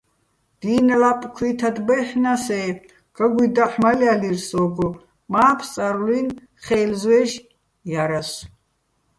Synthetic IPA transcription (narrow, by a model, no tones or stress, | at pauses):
d̪̥iːnalapʼkʰwit̪ʰad̪bɛχnasɛː | ɡ̥aɡʷid̪aħmalialirsɔːɡɔ | maːpʰt͡sʼaɾlin | χɛːlzwɛːʃ | jaɾas